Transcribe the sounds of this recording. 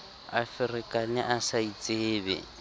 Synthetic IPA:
a̰fɪrɪkʼanɪʔasait͡sʼeːbɛ̰

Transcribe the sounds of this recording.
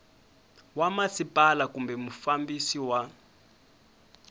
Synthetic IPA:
wamasipʼalakumbɛmufambisiwa

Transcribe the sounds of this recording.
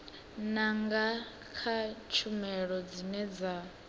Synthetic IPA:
naŋɡa | kʰat͡ʃʰumɛɺɔd͡zinɛd͡za

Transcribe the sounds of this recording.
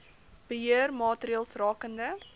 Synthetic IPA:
b̥əɦiərmɑːtəɾiɑːlˠsrɑːkəndə

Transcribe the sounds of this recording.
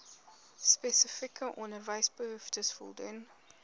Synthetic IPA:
spɛsəfikəʔɔndərvɐjsbəɦʉftəsfɔ̰lˠdun

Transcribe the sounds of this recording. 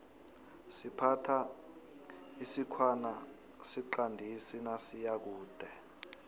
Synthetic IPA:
sipʰatʰa | isikʰwana | siǃandʱisinasijak̬uːd̥ʱɛ

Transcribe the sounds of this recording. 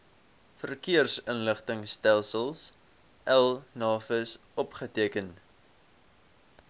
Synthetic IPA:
fərkiərsənləχtəŋstælˠsəlˠs | ʔælˠnɑːfəsʔɔpχətiəkən

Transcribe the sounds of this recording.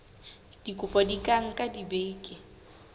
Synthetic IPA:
d̥ikʼʊpʼɔdikʼaŋ̩kʼadibeːkʼɪ

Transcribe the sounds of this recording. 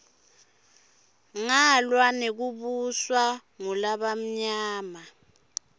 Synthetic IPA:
ŋalwanek̬uɓuswaŋulaɓam̩ɲaːma

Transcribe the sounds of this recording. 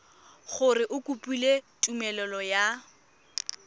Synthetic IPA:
χʊrɪʔʊkʼupʼuletʼumɛlɛlɔja

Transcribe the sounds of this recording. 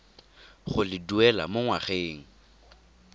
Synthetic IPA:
χʊlɪduɛla̰moŋwaχeːŋ̩

